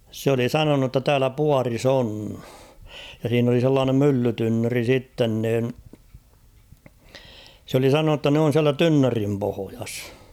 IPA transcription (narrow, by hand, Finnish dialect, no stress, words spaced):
s oli sɑnonu tːɑ tæːlæ puɑris oːn jɑ siːn oli selːɑːnem mylːytynːøri sitːen niːn s oli sɑnonu tːɑ n oːn̞ siælæ tynːørim pohojɑs